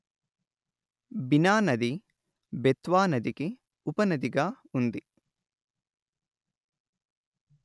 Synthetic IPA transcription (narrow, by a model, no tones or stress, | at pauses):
binaːnɐd̪i | bet̪ʋaːnɐd̪iki | upɐnɐd̪iɡaː | und̪i